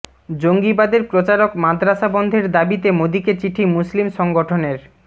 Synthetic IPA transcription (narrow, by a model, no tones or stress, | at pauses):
d͡ʑoŋɡibad̪eɾpɾot͡ɕaɾokmad̪ʱɾaʃabɔnd̪ʱeɾd̪abit̪emod̪iket͡ɕiʈʰimuslimʃɔŋɡoʈʰoneɾ